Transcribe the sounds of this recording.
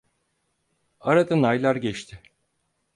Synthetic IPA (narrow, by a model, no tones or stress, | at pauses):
aɾad̪anajlˠaɾɟɛt͡ʃt̪ʰɪ